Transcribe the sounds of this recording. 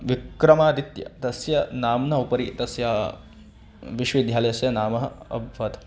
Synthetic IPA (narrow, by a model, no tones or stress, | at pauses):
ʋikɾɐmaːd̪it̪jɐ̰t̪ɐsjɐnaːmnɐupɐɾit̪ɐsjaː | ʋiʃʋid̪ʱjaːlɐjɐsjɐnaːmɐɦɐɐ̰bʱʋɐt̪